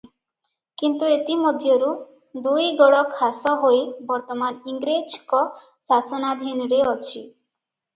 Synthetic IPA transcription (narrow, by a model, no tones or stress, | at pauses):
kint̪uet̪imod̪ʱjoɾu | d̪ujɡɔɽɔkʰasɔɦojbɔɾt̪ɔmaniŋɡɾed͡ʒkɔ | sasɔnad̪ʱinɔɾeɔt͡ʃʰi